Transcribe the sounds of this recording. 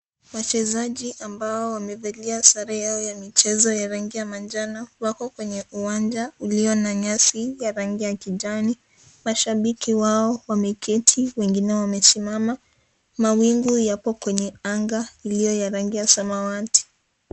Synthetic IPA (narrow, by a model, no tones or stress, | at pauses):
wat͡ʃɛzaʄiʔambaɔwamɛvaliasaɾajaɔjamit͡ʃɛzɔjaɾaŋɡijamand͡ʒanawakɔkwɛɲɛʔuwand͡ʒauliɔnaɲasijaɾaŋɡijakiʄani | maʃaɓikʰiwaɔwamɛkɛtʰiwɛŋɡinɛwamɛsimama | mawiŋɡujapɔkwɛɲɛaŋɡailijɔjaɾaŋɡijasamawati̥